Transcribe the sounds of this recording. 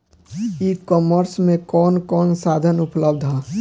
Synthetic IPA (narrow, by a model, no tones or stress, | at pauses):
ikɔməɾsmẽkɔːnkɔːnsad̪ʱənupləb̚d̪ʱɦə̃